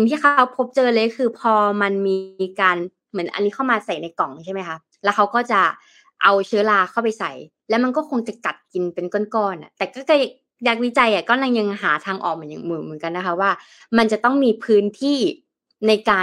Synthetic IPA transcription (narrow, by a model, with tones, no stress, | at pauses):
si˨ŋt̪ʰiː˥˩a˦˥wpʰo˦˥p̚t͡ɕɤː˧lɤː˧jkkʰɯː˧pʰɔː˧ma˧nmiː˧kaː˧n | mɯ˩˦ə˦nʔa̰˧nːiː˦˥kʰa˥˩wmaː˧sa˨˩jna˧jkɔ˨˩˦ŋt͡ɕʰa˥˩jma˦˥jkʰa˦˥ | lɛː˦˥wxʰa˦˥wkɔː˥˩t͡ɕa˨˩ | ʔa˧wt͡ɕʰɯː˦˥laː˧kʰa˥˩wpa˧jsa˨˩˦j | lɛː˦˥wma˧nkɔː˥˩kʰo˧ŋt͡ɕa˨˩ka˨˩t̪̚ki˧npe˧nko˥˩˨nkɔː˥˩nʔa̰˨˩t̪ɛː˨˩kɔː˥˩kɔ˥˩˧ | jaː˧˩k̚wi˦˥t͡ɕa˧jʔa˨˩kɔ˨˩mla˧ŋja˧ŋɦaː˩˦t̪ʰaː˧ŋʔɔ̰ː˨˩k̚ma˨˩˦njaː˨˩ŋmɯː˨˩mɯ˩˦nka˧nːa˦˥kʰa˦˥waː˥˩ | ma˧nt͡ɕa˨˩t̪ɔ˥˩ŋmiː˧pʰɯː˦˥nt̪ʰiː˥˩ | na˧jkaː˧